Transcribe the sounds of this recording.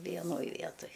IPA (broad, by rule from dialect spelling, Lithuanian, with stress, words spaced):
ʋʲiɛˈnoːj ˈʋʲiɛtoːj